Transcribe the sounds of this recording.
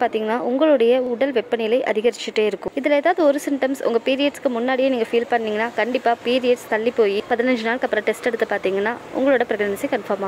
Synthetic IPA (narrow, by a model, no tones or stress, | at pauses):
paːɾt̪iːŋɡɐnːaːʔʊŋɡɐɭɯɽɐjɐʊɽɐlʋɛpːɐnɪjɪlɐɪʔɐ̰ðɪɣɐɾɪt͡ʃːɪʈːeːɪɾɯkːʊ̃mɪðɪleːðaːʋɯðɯɔɾɯsɪmʈɐmsʊ̰ŋɡɐpiːɾɪjɐʈskːɯmʊnːaːɽɪjeːniːŋɡɐfiːlpɐɳːiːŋɡɐnːaːkɐɳɖɪpːaːpiːɾɪjɐʈst̪ɐɭːipːoːjipɐðɪnɐɲd͡ʒɯnaːlkɐpːɯɾɐ̃ʈɛsʈɛɽɯt̪ːɯpaːɾt̪iːŋɡɐnːaːʔʊ̰ŋɡɐɭoːɽɐpɪɾɐɣɐɳɐnɪsɐɪkɐnfɐɾmaː